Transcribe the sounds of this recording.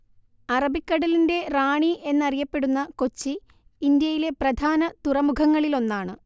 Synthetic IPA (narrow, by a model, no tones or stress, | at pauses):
ɐrɐbikːɐɽɐlinde̞raːɳiʔe̞nːɐrijɐpːe̞ɽunːɐko̞t͡ɕːiː | nd̪jɐjile̞prɐd̪ʱaːnɐt̪urɐmukʰɐŋːɐɭilo̞nːaːɳɨ